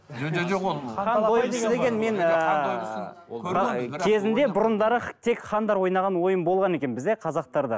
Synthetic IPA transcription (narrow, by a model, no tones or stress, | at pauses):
ojəd̪e̞ɡʲenme̞nə | ɑkʲʰe̞zɪnd̪e̞bʊɾʊnd̪ɑɾət̪ʰe̞kχɑnd̪ɑɾwo̞jnɑʁɑnwo̞jəmbo̞lˠʁɑne̞kʲe̞nbɪzd̪e̞qʰɑzɑq̚t̪ɑɾd̪ɑ̰